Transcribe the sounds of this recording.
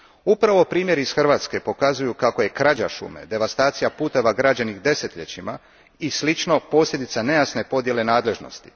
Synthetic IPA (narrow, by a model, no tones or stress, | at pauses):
upɾaʋo̞pɾiːmjeɾiisxr̩ʋaːt̪ske̞po̞kazujukako̞je̞kɾad͡ʑaʃṵme̞̰d̪e̞ʋast̪aːt̪sijapuːt̪e̞ʋaɡɾad͡ʑanixd̪e̞se̞t̪ʎet͡ɕima | islit͡ʃno̞po̞ːslʎʲe̞d̪it̪sane̞jasne̞po̞d̪je̞lenaːd̪le̞ʒno̞̰st̪i̥